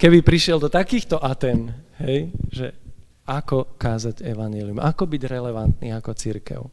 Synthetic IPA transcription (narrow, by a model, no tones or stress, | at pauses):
kɛbipɾiʃɪɛld̪ɔt̪akiːxt̪ɔʔat̪ɛnɦɛjʒɛ̰ | akɔkaːzaɟɛʋaɲɪɛliumʔakɔbiɟɾɛlɛʋant̪niːakɔt͡siɾkɛ̰ʊ